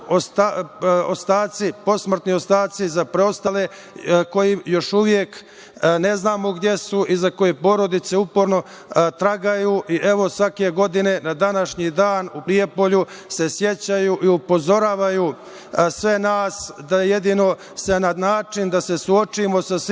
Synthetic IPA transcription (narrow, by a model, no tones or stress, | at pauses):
ost̪aost̪aːt̪sipo̞smr̩t̪nio̞st̪aːt̪sizapɾeost̪ale̞ | ko̞jijo̞ʃuʋjek | ne̞znaːmo̞ɡd̪je̞suʔizako̞jepo̞ɾo̞d̪it̪se̞upoɾno̞ | t̪ɾaɡajuʔiʔe̞ʋo̞sʋake̞ɡo̞d̪ine̞nad̪anaʃɲid̪aːnupɾije̞po̞ʎuse̞sje̞t͡ɕajuʔiupo̞zo̞ɾaːʋajuː | sʋe̞naːsd̪ajeje̞d̪ino̞ | senanaːt͡ʃind̪ase̞suo̞t͡ʃimo̞sas